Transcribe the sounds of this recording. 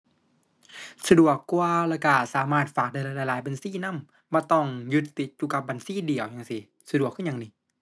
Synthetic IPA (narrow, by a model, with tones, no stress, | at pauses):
sa˧du˨˩əkːu˧əla˧˩ka˧˩saː˨˦maː˧˥˩t̪̚faː˨˩k̚daː˧˩jlaː˧jla˧˩˨laː˨˦jba˨nsiː˧˥˨na˧˥˨m | bɔː˧˦t̪ɔ˧˩ŋju˧t̪ːi˨˧˦t̪̚juː˧ka˧˦p̚ba˨nsiː˧˥˨di˨˩əwɲaː˨˧˩ŋsi˧ | sa˧du˨˩əkʰːɯ˥˨ɲa˧ŋni˧˩